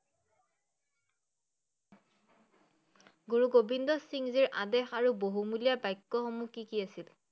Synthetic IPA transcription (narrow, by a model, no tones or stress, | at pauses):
ɡuɹuɡobindɔsiŋziɹʔadɛxaɹuboɦumuliabajkːɔxɔmukikiasil